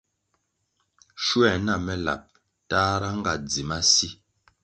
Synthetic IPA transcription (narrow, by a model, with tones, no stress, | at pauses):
ʃu˦ɛ˨na˦˨mɛ˦la̰˨p̚ | taː˦ɾa˦ŋ˦ɡa˨d͡zi˨ma˦si˦